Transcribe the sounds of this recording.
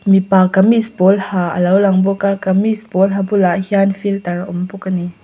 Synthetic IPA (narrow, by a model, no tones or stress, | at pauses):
mipakamispɔlhaːʔə̰lɐwlɐŋbɔkakamispɔlɦabʊlaʔhianfilt̪ɐrʔɔmbukani